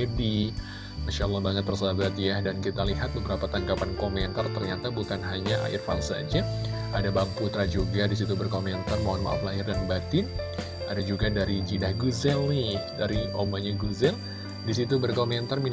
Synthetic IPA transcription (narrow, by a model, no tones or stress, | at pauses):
edi | maʃaəlːɑhbaŋət̪̚bərsabat̪jadankit̪aliɦat̪̚bəbəɾapat̪aŋkapankomɛnt̪art̪ərɲat̪abukanɦaɲaʔa̰ʔɪrfa̰nsa̰d͡ʒɛ | ʔadabaŋput̪ɾad͡ʒuɡadisit̪ubərkomɛnt̪armaanma̰ʔa̰flaɦɪrdanibat̪ɪn | ʔadad͡ʒuɡadaɾid͡ʒidahɡuzɛlnɪdaɾiʔomaɲaɡuzɛl | disit̪ubərkomɛnt̪armin